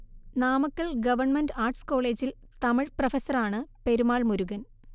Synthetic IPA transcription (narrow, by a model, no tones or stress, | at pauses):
naːmɐkːɐɭɡɐʋɐrɳmɐndaːrʈsko̞ːɭe̞ːd͡ʑil | t̪ɐmiɻprɐfɐsːɐraːɳɨpe̞ɾumaːɭmuɾuɣɐn